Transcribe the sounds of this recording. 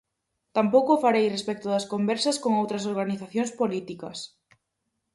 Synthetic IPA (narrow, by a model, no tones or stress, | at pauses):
t̪ampowkʊfaɾejrespɛk̚t̪ʊðɐskombɛɾsɐskoŋowt̪ɾɐs̬oɾɣaniθaθjoŋspolit̪ikɐs